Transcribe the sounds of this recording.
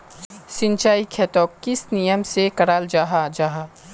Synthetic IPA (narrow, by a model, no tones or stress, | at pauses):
sɪ̃nt͡ʃaːikʰet̪ɔːkːɪsnijəmsekɐɽaːld͡ʒaːɦad͡ʒaːɦaː